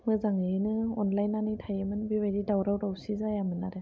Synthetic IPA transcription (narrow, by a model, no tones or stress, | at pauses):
mɯzaŋnɯɔnlajnanɯtʰajemɯnbiβadidawɾawɾawsizajamɯnaɾe